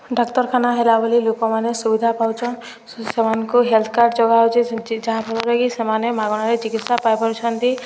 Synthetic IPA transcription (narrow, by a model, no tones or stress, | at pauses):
ɖɔkt̪ɔɾkʰanaɦelabɔlilokɔmanesubid̪ʱapawt͡ʃʰɔn | semankuɦelt̪ʰkaɾɖd͡ʒɔɡaɦwt͡ʃʰid͡ʒaɦãbʰʱɔlɔɾaɡisemanemaɡɔɽ̃aɾet͡ʃikit̪sapajpɔɾt͡ʃʰɔnd̪i